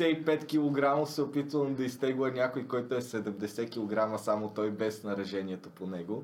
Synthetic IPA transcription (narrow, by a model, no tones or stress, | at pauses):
ɛipɛt̪kʲilˠoɡɾamofsɛopit̪vənˠd̪ɐist̪ɛɡlˠɛnʲakojkɔjt̪oɛsɛd̪ɛmd̪ɛsɛkʲilˠoɡɾaməsamot̪ɔjbɛsnɐɾɛʒɛnʲiɛt̪oponɛɡo